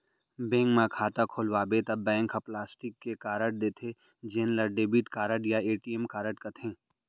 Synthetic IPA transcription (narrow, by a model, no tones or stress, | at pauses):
bẽːŋkmãkʰaːt̪akʰoːlʋaːbet̪ɐbːɛ̃ːŋkʰɐplaːsʈɪkːekaːɾəʈ̚d̪eːt̪ʰe | d͡ʒeːnlɐɾɖeːbiʈkaːɾəʈjaeːʈiemkaːɾəʈkɐt̪ʰẽː